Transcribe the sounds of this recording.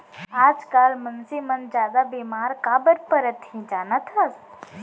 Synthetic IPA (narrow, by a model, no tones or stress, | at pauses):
aːd͡ʒkaːlmɐnsimɐnd͡ʒjaːd̪abiːmaːɾkaːbəɾpəɾət̪ĩd͡ʒaːnat̪ʰɐs